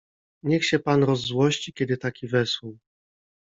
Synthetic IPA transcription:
ɲɛxɕɛpanɾɔzːwɔɕt͡ɕikʲɛd̪ɘt̪akʲivɛswuw

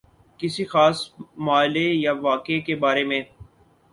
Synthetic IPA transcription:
kɪsixaːsmaːɪlejaʋaːkekebaːɾemẽː

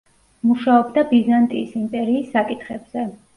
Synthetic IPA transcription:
muʃaɔbd̪abizant̪ʼiːsinp̪ʼɛɾiːsːakʼit̪ʰχɛbz̥ɛ

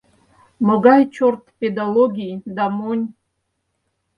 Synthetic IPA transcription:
moɡajt͡ʃʰort̪ʰped̪aloɡʲid̪amunʲ

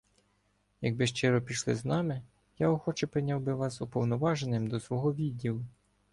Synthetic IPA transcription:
jɐɡ̚bɪʃt͡ʃɪɾɔpʲiʃlˠɪ̰znɑmɪ | jaɔxɔt͡ʃɛpɾɪnʲawbɪʋɑsɔpɔwnɔʋɑʒenɪmd̪ɔsʋɔɦɔʋʲidʲːilˠʊ

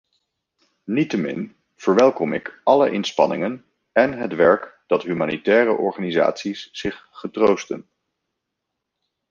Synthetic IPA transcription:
nitəmɪ̰n | v̥əɹʋɛlˠkɔmɪkɑləʔɪnspɑ̰nɪ̰ŋən | ɛnɦətʋɛɹkd̥ɑtɦymaːnitɛːrəʔɔɹχaːniza̰ːtsisːɪχχətrowstə̰n

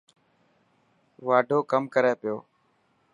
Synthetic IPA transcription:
ʋaːɖʱoːkəmkəɾeːpɪjoː

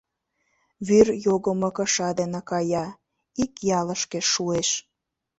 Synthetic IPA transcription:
βyrjoɣə̆mɤ̆kə̆ʃɑd̪enekɑjɑ | ikjɑlə̆ʃkĕʃueʃ

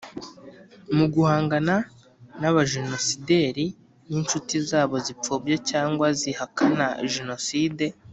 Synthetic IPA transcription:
muɡuhaːŋɡana | naβaʒeno̞side̞ːɾi | nint͡ʃutizaːβo̞zip͡foːbjecaːŋɡwazihakʰanaʒeno̞siːde̞

